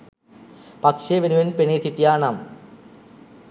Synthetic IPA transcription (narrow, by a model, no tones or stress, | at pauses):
pɐkʂeʋenuʋenpeɳeːt̪iʈːijaːɳam